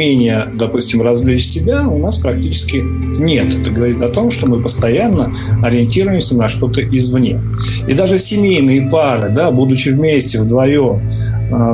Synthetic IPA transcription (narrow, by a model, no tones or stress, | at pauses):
enʲɪjəd̪ɐpusʲtʲɪmrɐzlʲit͡ɕsʲɪbʲaʊnaspɾɐk̚tʲit͡ɕɪ̥skʲɪ | nʲe̞t̪ɛt̪əɡəvɐɾʲit̪ɐt̪o̞mʂt̪o̞mɨpəst̪ɐjanːə | ɐɾʲɪɪnʲtʲiɾʊjɪmsʲənɐʂt̪o̞t̪əʔɪzvnʲe̞̰ | ḭd̪aʐɨsʲɪmʲejnɨjəpaɾɨd̪abud̪ʊt͡ɕɪvmʲesʲtʲɪvd̪vɐjo̞m